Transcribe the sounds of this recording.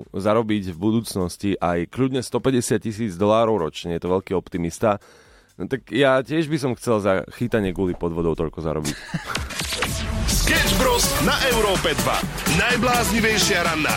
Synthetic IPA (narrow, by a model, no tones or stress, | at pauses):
zaɾɔbiɟvbud̪uːt͡snɔsciʔajkʎud̪ɲɛst̪ɔpɛɟɛsɪat̪̚cisiːd͡zd̪ɔlaːɾɔʊɾɔt͡ʃɲɛjɛt̪ɔʋɛʎkiːɔpt̪imist̪a | nɔt̪akjacɪɛʒbisɔmxt͡sɛlzaxit̪aɲɪɛkʊɔlipɔd̪ʋɔd̪ɔʊt̪ɔʎkɔza̰ɾɔbḭc | skɛd͡ʒbɾɔsnaʔɛʊɾɔːpɛd̪ʋa̰najblaːzɲiʋɛjʃɪaɾanːa̰